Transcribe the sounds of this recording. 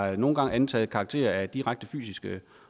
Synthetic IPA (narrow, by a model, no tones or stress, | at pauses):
no̝ːn̩ɡ̥ɑ̈ŋʔænt͡sʰɛ̰ːð̩ˠkʰɑ̈ɡ̥t͡sʰe̝̰ːɐæd̥iʁaɡ̥̚d̥əfy̰ːsisɡ̥ə